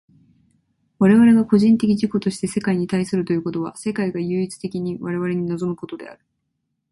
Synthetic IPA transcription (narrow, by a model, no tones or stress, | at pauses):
βaɾe̞βaɾe̞ɡako̞ʑĩnt̪e̞kʲid͡ʑiko̞t̪o̞ɕi̥t̪e̞se̞kaiɲ̟it̪aisɨɾɯ̟t̪o̞jɯ̟ːko̞t̪o̞β̞a̰se̞kaiɡajɯ̟ːit͡sɨ̥t̪e̞kʲiɲ̟iβaɾe̞βaɾe̞ɲ̟ino̞zo̞mɯ̟ko̞t̪o̞d̪e̞̰a̰ɾɯ̟̥